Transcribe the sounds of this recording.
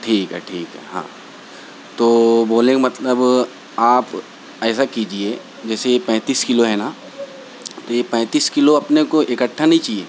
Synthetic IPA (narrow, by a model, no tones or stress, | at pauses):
ʈʰiːkɦɛ̰ʈʰiːkɦɛ̰ɦã̰ː | t̪oːboːlẽmɐt̪ləb | aːp | ɛːsakid͡ʒie | d͡ʒɛːsejepɛ̃ːt̪iːskɪloɦɛna | t̪ojepɛ̃ːt̪iːskɪloɐpnekoʔekəʈʰːanɐɦĩt͡ʃaːɦieː